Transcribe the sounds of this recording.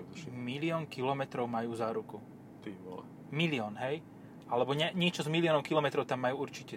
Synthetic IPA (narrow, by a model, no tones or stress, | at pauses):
milɪɔːŋkilɔmɛt̪ɾɔʊmajuːzaːɾuku | t̪imɔ̰l̰ | miliɔːnɦɛj | ʔalɛbɔɲɛɲɛt͡ʃɔzmiliɪɔːnɔʊkilɔmɛt̪ɾɔʊt̪amːajuːuɾt͡ʃicɛ